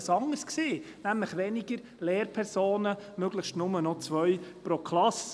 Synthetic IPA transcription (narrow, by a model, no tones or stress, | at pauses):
sɑŋəɾskseː | næmləχʋɛniɡəɾ | leːɾpʰɛɾsoːnəmøɡ̥ləχʃtnʊmənɔt͡sʋœʏpɾokʰlɑs